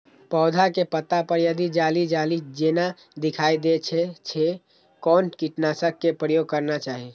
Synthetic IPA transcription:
pɔʊd̪ʱakepət̪apəɾjəd̪id͡ʒalid͡ʒalid͡ʒena | d̪ikʰajd̪et͡ʃʰɛt͡ʃʰɛ | kɔːnkiʈnasəkːepɾəjoɡ̚kəɾnat͡ʃaːɦi

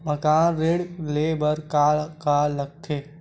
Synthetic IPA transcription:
mɐkaːnɾeːɽleːbəɾkaːɭkaːlɐkʰːe

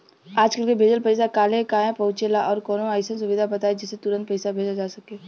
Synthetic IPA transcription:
aːd͡ʒkəlkebʱeːd͡ʒəlpəɪsakaːlekaːẽpɐʊt͡ʃelaʔɔːɾkɔːnõaːɪsə̃nsʊʋɪd̪ʱabɐt̪aːed͡ʒɪsːet̪ʊɾə̃nt̪̚pəɪsabʱeːd͡ʒad͡ʒaːsɐkẽː

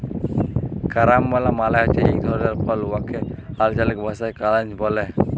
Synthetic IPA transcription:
kaɾambalamalajat͡ʃɛik̚d̪ʱɔɾdaɾpaluwakʰɛalt͡ʃalɛk̚bʱasajkalant͡ʃbɔlɛ

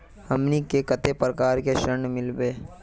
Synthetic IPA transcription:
hɐmnikekət̪epɾəkaːɾkeʃəɾɳmɪlbeː

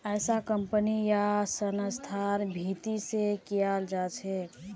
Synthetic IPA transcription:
əjsakəmpənijasənəst̪ʰaɾbʱit̪isekijald͡ʒat͡ʃʰɛ

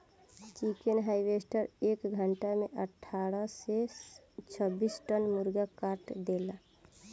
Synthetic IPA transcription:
t͡ʃikenɦaibesʈəɾekɡʱəɳʈameʔəʈʰaɾəset͡ʃʰəbisʈənmuɾɡakaɾʈd̪ela

